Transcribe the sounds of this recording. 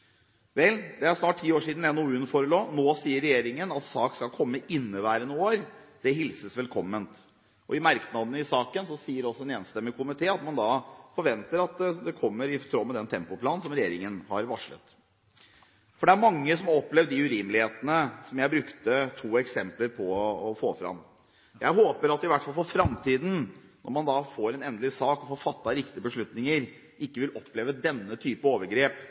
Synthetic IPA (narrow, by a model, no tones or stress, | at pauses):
ʋɛld̪ɛæʂnɑːʈ̚ʈʰːiːoːʂiːd̪n̩jænuːʉnfɔɾəloːnoːsiːəɾːɛjeːɾɪŋənɑt̪sɑːkskɑlkʰɔmːəʔɪnːəʋæːɾənuːoːɾd̪̥ɛɦɪlsəsʋɛlkʰɔmːənt̪ | ʔɔ̰ɪmɑɾknɑd̪ənəɪsɑːkənsɔsiːəɾɔsːɔɛneːnst̪ɛmːəkʰʊmɪt̪ʰeːɑt̪mɑnd̪ɑfɔɾʋɛnt̪əɾɑt̪d̪ɛkʰɔmːəɾɪt̪ʰɾoːmɛd̪ɛnt̪ʰɛmpʊpʰlɑːnsɔmɾɛjeːɾɪŋənhɑɾʋɑʂɭə̰t̪ | fɔɖɛæɾmɑŋːəsɔmɔpːleːʋd̪ɪʉɾiːmlɪheːt̪ənəsɔmjæɪbɾʉkt̪ət̪ʰuːɛksɛmpləɾpʰɔːfoːfɾɑ̰m | jæɪɦoːpəɾɑt̪ɪʋæʈfɑlfɔɾfɾɑmt̪ʰiːd̪n̩nʔɔ̰ɾmɑnd̪ɑfoːɾɛnɛnd̪lɪsɑːkɔfɔɾfɑt̪ːɑɾɪkt̪ɪəbəʂɭʉt̪nɪŋəɾ | ʔɪkːəʋɪlʔɔpːleːʋəd̪ɛnːət̪ʰyːpəoːʋəɾɡɾeːp